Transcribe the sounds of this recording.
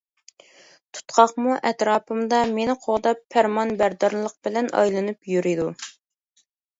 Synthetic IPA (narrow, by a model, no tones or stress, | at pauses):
t̪ʰu̥t̪qʰɑχmuʔɛt̪ɾɑːpɨmd̪ɑmenɪqʰoʁd̪ɑpʰːæɾmɑnbæɾd̪ɑɾlˠːəq̚bɪlɛnɑ̰jlˠɨnɨpjyɾɪd̪u